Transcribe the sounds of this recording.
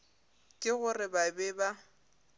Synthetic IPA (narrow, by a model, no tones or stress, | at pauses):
kʼɪɣʊrɪbabɛba